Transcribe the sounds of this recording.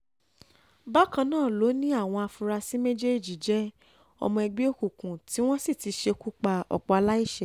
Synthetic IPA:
ba˦kã˧nãː˦˨lo˨˦nĩ˦a˦˨w̃ɔ̃˧a˧fu˧ɾa˧si˦me˦d͡ʒe˦˨d͡ʒi˨d͡ʒɛ˦ | ɔ̰˧mɔ̃˧ɛ˧ɡ͡be˦o˦ku˨kũ˨ti˨˦w̃ɔ̃˦si˦˨ti˧ʃe˧ku˦k͡pa˧ɔ̰˨k͡pɔ˧a˧la˦i˦ʃɛ˦˨

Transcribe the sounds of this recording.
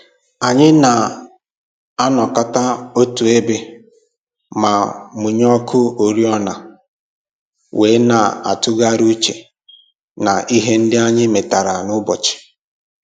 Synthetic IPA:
a˨ɲɪ˦na˨ | a˦nɔ˨ka˦ta˦o˦tu˨e˦be˦ | ma˨mʊ˨ɲ˦ɔ˦kʰʊ˦o˨ɾi˦ɔ˦na˨ | weː˨˦na˨a̰˨tʊ˦ɡa˦ɾu˦t͡ʃe˨ | na˨ʔi˦ɦe˦n̩˦dɪ˦a˦ɲɪ˦me˨ta˨ɾa˨nʊ˦bɔ˨t͡ʃɪ̥˨

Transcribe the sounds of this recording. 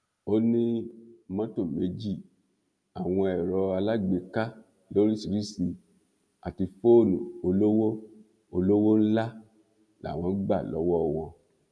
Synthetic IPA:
o˦nĩ˦mã˦to˦˨me˨˦d͡ʒi˦˨ | a˨w̃ɔ̃˧ɛ˨ɾɔ˧a˧la˦ɡ͡be˧ka˦ | lo˦ɾi˦si˨ɾi˦si˧ | a̰˨ti˧fo˦nũ˨o˧lo˦wo˦ | o˧lo˦wo˦n̩˦la˦ | la̰˨w̃ɔ̃˨˧˦ɡ͡ba̰˦˨lɔ˨˦wɔ˦˨w̃ɔ̃˧

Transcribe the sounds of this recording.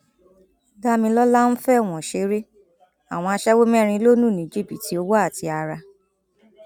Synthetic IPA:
da˦mĩ˧lɔ˦la˦ñ̩˦fɛ˦˨w̃ɔ̃˨ʃe˨˦ɾe˦ | a˨w̃ɔ̃˧a˧ʃɛ˦wo˦m˦ɛ˦˧ɾ̃ĩ˧˦lo˦nũ˦˨nĩ˨d͡ʒi˦˨pi˨ti˨˦o˦wa˦a˦˨ti˧a˧ɾa˧

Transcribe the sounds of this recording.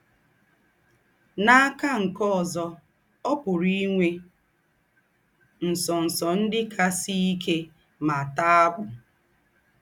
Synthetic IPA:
na˦a˦ka˦ŋ̩˨kɔ˦ɔ˨zɔ˦ | ɔ˦pʊ˨ɾi˦ŋʷe˦ | n̩˨sɔ˨n̩˨sɔ˨n̩˦dɪ˦kʰa˦si˦i˦ke˦ | ma˨ta˦a˦ɡʷʊ˨

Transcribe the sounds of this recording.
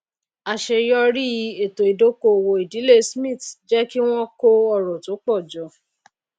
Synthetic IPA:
a˨ʃe˧jɔ˦ɾi˦i˧˦e˨to˨i˨do˦ko˧˨wo˧i˨di˨˦le˦˨smĩ˦˨td͡ʒɛ˦ki˦w̃ɔ̃˦ko˦ɔ˦˨ɾɔ̃˨to˨˦k͡pɔ˦˨d͡ʒɔ˧˦

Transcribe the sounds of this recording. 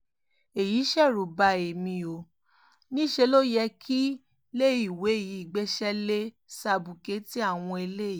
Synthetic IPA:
e˨ji˨˦ʃɛ˦˨ɾu˨ba˧e˨mĩ˧o˨ | nĩ˦ʃe˧lo˦jɛ˧kʰi˦ | le˦i˦˨we˨˦e˦˨ji˨˦i˦˨ɡ͡be˦ʃɛ˦le˦ | sa˧bu˨ke˨˦ti˦a˦˨w̃ɔ̃˧e˧le˦˨ji˨˦

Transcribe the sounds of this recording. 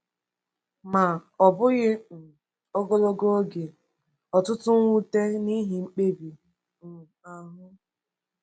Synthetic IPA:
ma˨ɔ˨bʊ˦ɣɪ˦n̩˨ | o˦ɡo˦lo˦ɡo˦ɡe˨ | ɔ˨tʊ˦tʊ˦ŋ˦wu˦te˦ni˦ɦi˨ŋ͡m̩˦k͡pe˦bi˨ | m̩˨ | a˨ɦʊ˦

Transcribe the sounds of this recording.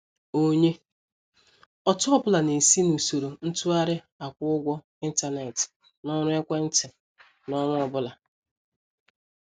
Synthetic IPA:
o˦ɲe˦ | ɔ˨tʊ˦ɔ˦bʊ˦la˨ne˨si˦nu˨so˨ɾo˨n̩˦tʊ˦a˦ɾɪ˦ | a˨kʷʊ˦ʊ˦ɡʷɔ˦ | i˦n̩˦ta˨ne˨t | nɔ˦ɾʊ˦e˦kʷa˦n̩˦tɪ˨ | nɔ˦ŋʊ˦ɔ˨bʊ˦la˨

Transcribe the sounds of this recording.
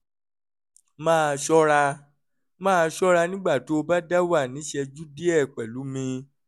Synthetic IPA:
mãː˦˨˧ʃɔ˦ɾa˧ | mãː˦˧ʃɔ˦ɾa˧nĩ˦ɡ͡ba˦˨to˨˦o˧ba˦da˦wa˦˨nĩ˨˦ʃɛ˧d͡ʒu˦di˦ɛ˦˨k͡pɛ˨lu˨˦mĩ˧

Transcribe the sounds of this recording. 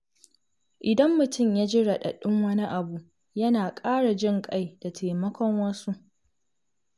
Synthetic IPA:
ʔɪ˨dɐ˦mːʊ˨tʊ˦˨mjaː˦d͡ʒɪ˦ɽɐ˨ɗɐ̰˨ɗʊ˦ŋwɐ˦ni˦ʔa˨bu˨ | jɐ˦naː˨kʼaː˦ɽa˨d͡ʒɪ˦ŋkʼa˦jda˨tʰaː˨mɐ˦kʷɔ˦ŋwɐ˦su˦ʔ

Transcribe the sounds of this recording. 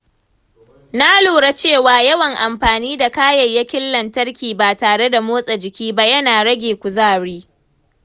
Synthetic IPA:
na˦loː˨ɽa˦t͡ʃeː˦˨waː˨jɐ˦wɐ˨ŋʔa˨mɸaː˨niː˦da˨kaː˦jɐ˨jːa˦kʲɪ˦lːɐ˨ntɐ˦rkʲiː˨baː˨taː˨ɽe˦da˨moː˦sʼɐ˨d͡ʒɪ˨kʲiː˦ba˦jɐ˦naː˨ɽɐ˦ɡʲeː˨kʷʊ˨zaː˦˨ɽiː˦

